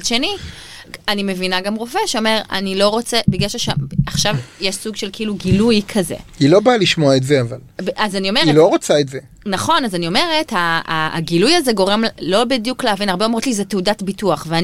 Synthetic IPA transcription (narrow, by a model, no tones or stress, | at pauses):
ʃeni | anime̞vinaɡamʁofeʃeome̞ʁa̰nilo̞ʁo̞t͡sebiɡaʃaʃeaχʃavjeʃsuɡʃelkeiluɡilujkʰɐzḛilo̞baaliʃmoaetzeavalbazanio̞meʁielo̞ʁot͡saetze | naχo̞nazanio̞me̞ʁethaa̰ɡilujazeɡo̞ʁemlo̞bidjukleɦavinaʁbeo̞mʁotlizeteudatbituaχvea